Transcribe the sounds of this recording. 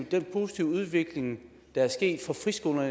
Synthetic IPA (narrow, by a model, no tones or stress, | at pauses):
d̥enpʰo̝ːsi̥t͡sʰiʊ̰uð̞ˠʋe̝ɡ̥le̝ŋ | d̥ɑ̈æɐsɡ̥e̝̰ːd̥fɒfʁisɡ̥o̝lɐ